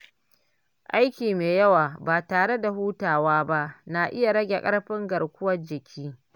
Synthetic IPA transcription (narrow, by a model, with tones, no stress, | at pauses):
ʔa˦jkʲiː˨meː˨jɐ˦waː˨baː˨taː˨ɽe˦da˨ɦuː˦taː˨waː˦ba˦ʔna˨ʔɪ˦ja˨ɽɐ˦ɡʲe˨kʼɐ˦ɽɸɪ˦ŋɡɐ˨ɽkʷʊ˦wɐ˦d͡ʒɪ˨kʲʰiː˦